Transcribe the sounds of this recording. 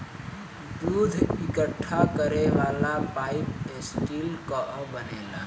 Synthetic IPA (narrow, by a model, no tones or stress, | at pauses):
d̪uːd̪ʱɪkəʈʰːakəɾeʋaːlapaːipesʈiːlkɔʔbəneːla̰ː